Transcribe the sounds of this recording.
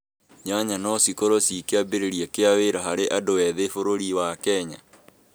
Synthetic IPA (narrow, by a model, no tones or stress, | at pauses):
ɲaɲanɔsikoɾosikeabeɾeɾiɛkeaweɾaɦaɾeʔadowɛðefoɾoɾiwakɛɲa